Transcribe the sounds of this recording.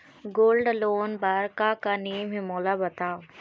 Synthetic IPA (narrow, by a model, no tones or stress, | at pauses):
ɡoːlɖloːnbaːɾkakanijəmɦemoːlabɐt̪aːo